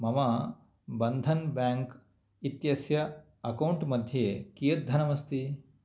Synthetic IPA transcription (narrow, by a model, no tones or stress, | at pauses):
mɐmɐ | bɐnd̪ʱɐnbaːŋk | it̪jɐsjɐ | ɐkɐwɳʈmɐd̪ʱjeːkijɐd̪ʱɐnɐmɐst̪i